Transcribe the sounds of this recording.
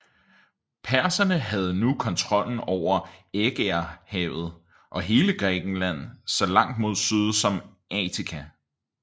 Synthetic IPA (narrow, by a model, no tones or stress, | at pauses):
pʰæɐsɐnəɦæð̞̩ˠnukʰɒ̽nt͡sʰʁɒ̽l̰n̩ɒʊ̰ɐeɡ̥eɐhɛːʊð̞̩ˠ | ʔɒ̽ɦe̝ːləɡ̥ʁɛɡ̥n̩læn̰sɒ̽lɑ̈ŋ̰d̥mo̝ð̞̰ˠsyð̞ˠsɒ̽m | ʔɛːt͡sʰikʰæ